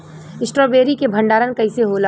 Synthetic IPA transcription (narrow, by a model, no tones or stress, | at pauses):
ɪsʈɾoːbeːɾikebʱə̃ɳɖaːɾənkɐɪseɦola